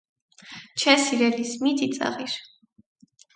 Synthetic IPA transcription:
t͡ʃʰɛsiɾɛlismid̪it̪sʼa̰ʁiɾ

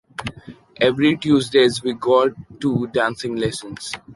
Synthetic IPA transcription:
ʔeʋɾiʈjuːzɖeːzʋiɡɔːʈːuɖãːnsɪ̃ŋlɛsə̃ns

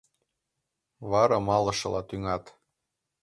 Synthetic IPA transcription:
βɑɾɑmɑlɤ̆ʃɤ̆lɑt̪yŋɑt̪

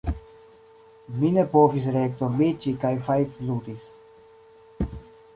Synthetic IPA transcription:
minepovis̬ɾekt̪oɾmit͡ʃikajfajtlut̪is

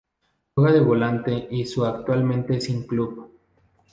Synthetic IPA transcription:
eɣaðeβolant̪e̞ʔisuakt̪walmẽnt̪esiŋklup

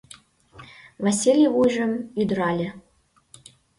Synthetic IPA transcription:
vasʲilʲjevujʒə̆myd̪ɾɑlʲɘ̆

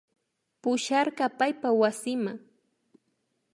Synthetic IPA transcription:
pʊʃɑɾɢɑpajpawasɪmaŋ

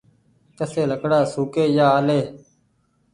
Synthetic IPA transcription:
t̪əseːləkɽaːsuːkeːjaːaːleː

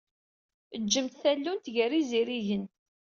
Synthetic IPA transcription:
əd͡ʒːəmt̪θælːunt̪ʝəriziɾiʝənt̪

